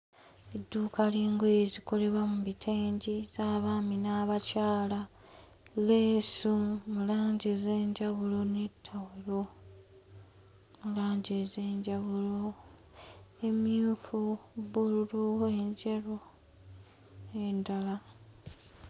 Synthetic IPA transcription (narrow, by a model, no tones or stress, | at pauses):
edːuːkaleːŋɡojeziko̞le̞βwamuβitʰeːɲɟiz̥aːβaːminaːβacaːla | leːsumulaːɲɟezeːɲɟaβulo̞netʰːaweɾo̞ | mulaːɲɟeze̞ːɲɟaβulo̞ | e̞mjuːfuβululue̞ɲɟeɾo | endala